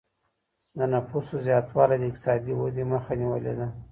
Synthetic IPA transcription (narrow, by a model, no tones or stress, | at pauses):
d̪ənapusozjɑt̪wɑlad̪əɪk̚t̪ɪ̥sɑd̪iwəd̪eməxaniwə̰lḛd̪a